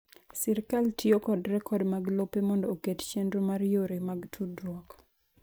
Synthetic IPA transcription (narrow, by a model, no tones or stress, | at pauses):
sɛɾkaltʰiokɔdɾɛkɔdmaɡlopemɔndɔokett͡ʃendɾomaɾjoɾemaɡtʰudɾɔk